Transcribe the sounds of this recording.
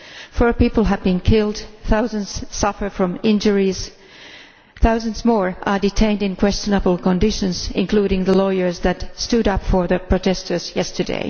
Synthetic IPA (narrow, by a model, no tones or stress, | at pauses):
fɔɹpipl̩ˠəvbĩnkʰɪlˠd̪θaʊzə̃nz̥sʌfə˞fɹʌ̃mɪ̃nd͡ʒəɹiz̥ | θaʊzə̃nzmɔɹʔə˞dɨtʰẽɪ̃ndɨ̃nkʰw̥ɛst͡ʃənəbl̩ˠkə̃ndɪʃɨ̃nzɪ̰̃nkʰl̥uɾɪ̃ŋðəlɔɪə˞zðɨtstuɾʌpfə˞ðəpʰɹ̥ɔtʰɛstə˞z̥jɛstə˞dḛɪ